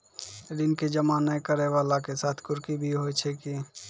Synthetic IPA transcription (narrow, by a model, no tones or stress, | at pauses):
ɾinked͡ʒəmanəkəɾeʋalakesat̪ʰkʊɾkibʱiɦojt͡ʃʰɛki